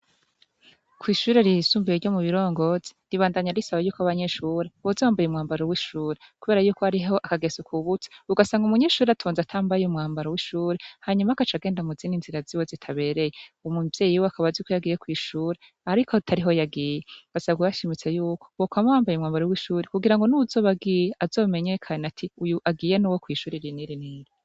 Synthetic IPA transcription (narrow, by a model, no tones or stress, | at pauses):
kʰwiːʃuːɾeɾisuːmbiiɾɟo̞muβiɾo̞ːŋɡo̞zeɾiβaːndaɲaɾisaβajuːkaβaɲe̞ːʃuːɾeβozowaːmbajumŋaːmbaɾowiːʃuːɾekuβe̞ːɾajuːko̞haɾiɦo̞ʔakaɡe̞sukʰuβute̥uɡasaːŋɡumuɲe̞ːʃuːɾeatʰoːnzatʰaːmbajumŋaːmbaɾowiʃuːɾehaɲumakat͡ʃaɡe̞ːndamuziːninziɾaziwozitʰaβe̞ɾe̞jeomuvje̞ːjiwoakaβazuːkojaɡiːjekwiːʃuːɾe | aɾikʰo̞tʰaɾiɦo̞jaɡijeuɡ̥asaɡujaʃimit͡se̞juːkʰo̥wokwamawaːmbajumŋaːmbaɾowiːʃuːɾekuɡiɾaŋɡonuuzo̞ːβaɡijeʔazo̞ːme̞ɲe̞kʰanatʰiujuʔaɡiːjenuwokwiːʃuːɾeɾiniɾiniːɾi